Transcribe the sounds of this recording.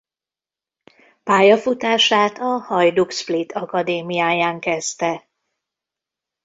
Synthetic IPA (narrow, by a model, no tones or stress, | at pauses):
paːjɒfut̪aːʃaːt̪ɒhɒjd̪uksplit̪ʰɒkɒd̪eːmijaːjaːŋkɛst̪ɛ